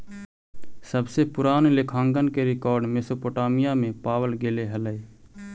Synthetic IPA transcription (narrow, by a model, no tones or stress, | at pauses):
səbsepʊɾaːnlekʰãːŋɡənkeɾɪkɔːɾɖmesoːpoːʈaːmɪjamẽpaːwəlɡeːleɦələe